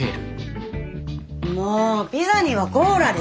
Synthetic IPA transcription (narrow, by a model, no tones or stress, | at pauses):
moːpʲizaɲ̟iβaɡoːɾad̪e